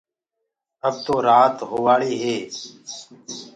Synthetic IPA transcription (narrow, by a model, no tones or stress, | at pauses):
əb̚t̪oːɾaːt̪ɦoːʋaːɭiːɦeː